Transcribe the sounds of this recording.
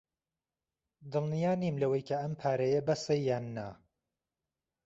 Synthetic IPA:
d̪ɨlnijaːnimlɐwɐjkʰɐɐmpʰaːɾɐjɐbɐsɐjːaːnːa

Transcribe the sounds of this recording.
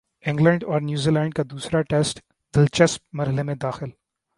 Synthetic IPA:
ɪ̃ŋɡlə̃ɳɖɔːɾnjuːzilɛ̃ːɳɖ̚kad̪uːsɾaʈeːsʈ | d̪̥ɪlt͡ʃɐsp̚mɐɾɦɪlemẽd̪aːxɪl

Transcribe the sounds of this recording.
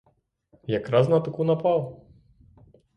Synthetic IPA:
jakɾaznɐt̪ɨkunapaw

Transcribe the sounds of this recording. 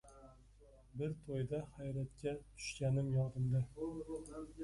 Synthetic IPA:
bɪɾt̪ʰojd̪ahajɾat̪̚kʲat̪ʰʊ̥ʃkʲanɪmjɒd̪ɪmd̪a

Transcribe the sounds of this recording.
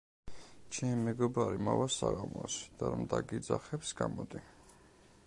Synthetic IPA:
t͡ʃʰɛmimɛɡɔbaɾimavasaɣamɔsd̪̥aɾamd̪aɡid̪zaχɛpsɡamɔd̪i

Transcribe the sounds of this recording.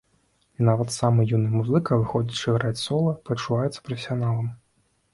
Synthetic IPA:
inavɐt̪samɨjunɨmuzɨkɐvɨxɔd͡zʲit͡ʂɨɣɾat͡sʲsɔlˠɐpɾɐt͡ʂuvajɛt̪sɐ̥pɾɐfʲsʲijanalˠɐm

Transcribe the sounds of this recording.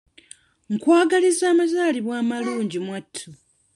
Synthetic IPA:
ŋkwaːɡalizaːmazaːliβwaːmaluːɲɟimwatʰːu

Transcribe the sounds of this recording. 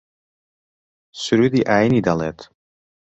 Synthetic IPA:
syɾyd̪iʔajnidaletʰ

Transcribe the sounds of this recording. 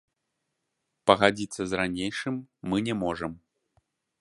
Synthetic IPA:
pɐɣad͡zʲit̪sːɐzranʲejʂɨmːɨnʲɛmɔʐɐm

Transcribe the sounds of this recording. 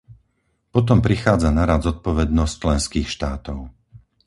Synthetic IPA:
pɔt̪̬ɔmpɾixaːd͡zanaɾad̪zɔt̪̚pɔʋɛd̪nɔst͡ʃlɛnskiːxʃt̪aːt̪ɔʊ

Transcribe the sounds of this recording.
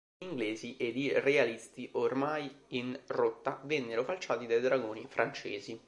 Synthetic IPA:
iŋɡleːziʔed̪irealist̪iʔormajinrot̪ːavɛnːeɾofalt͡ʃaːt̪id̪ajd̪ɾaɡoːnifɾʔant͡ʃḛːzi

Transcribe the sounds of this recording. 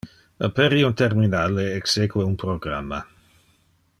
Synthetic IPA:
ə̰peɾiunt̪erminaːleːksekweunpɾoɡra̰mːa̰

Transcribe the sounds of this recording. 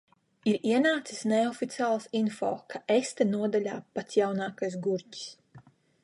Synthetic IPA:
iɾiɛnaːt̪si̥sneɔfit̪sʲiaːlˠasinfɔ̰ːkʰaʔɛst̪ɛnuɔd̪alʲaːpat̪sjawnaːkajsɡuɾci̥s

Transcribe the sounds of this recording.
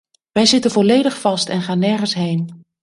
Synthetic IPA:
ʋɛjzɪtənvɔlejdəχfɑstɛnχaːnːɛɹχənsɦejn

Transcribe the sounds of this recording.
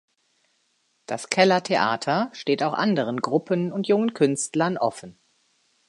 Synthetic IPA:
d̥askʰɛlɐtʰeʔa̰ːtʰɐʃteːtaʊxʔa̰ndəʁ̞ənɡʁʊpʰənʊntjʊŋənkʰʏnstlɐnʔɔfn̩

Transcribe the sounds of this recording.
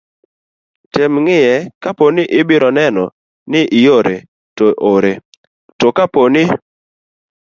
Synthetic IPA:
tɪmŋɪjɛkaponɪʔɪbɪɾɔnɛnɔ̰ | nɪʔɪjoɾe | toʔoɾe | tɔkaponɪ

